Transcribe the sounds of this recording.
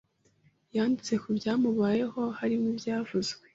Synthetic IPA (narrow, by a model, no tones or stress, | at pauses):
jaːndit͡se̞kubjaːmuβaːje̞ho̞haɾimubjaːvuzɡwe